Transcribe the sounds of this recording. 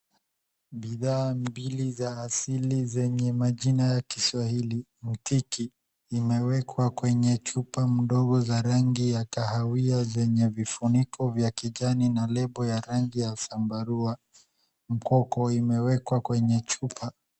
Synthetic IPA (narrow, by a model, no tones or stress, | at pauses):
ɓiðaːmbilizaːsilizɛɲɛmaʄinajakiswahili | m̩tiki | imɛwɛkwakwɛɲɛt͡ʃupam̩ɗɔɡɔzaɾaŋɡijakahawiazɛɲɛvifunikʰɔvjakiʄaninalɛɓɔjaɾaŋɡijasambaɾua | m̩kɔkɔimɛwɛkwakwɛɲɛt͡ʃupʰa